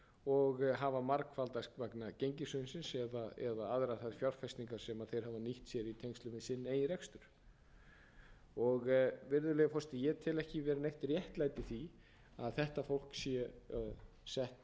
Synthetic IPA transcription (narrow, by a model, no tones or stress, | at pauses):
ɔɣɦavamaɾkfalt̪askvaknacejɲcɪsʏɪnsɪnsɛðaɛ̰ðaaðɾaθaðfjawr̥fɛst̪niŋkaɾ̥sɛmaðθejɾ̥havaniht̪sjɛɾit̪ʰejŋst̪lʏmɪsɪnːeːjɪɾɛkst̪ʏɾ̥ | ɔɣvɪɾðʏlɛɣafɔst̪ɪjɛt̪ʰɪlɛhcɪvɛɾɪnejht̪rjɛht̪laːjt̪ɪθi | aðθɛht̪afowl̥ksjɛ | sɛht̪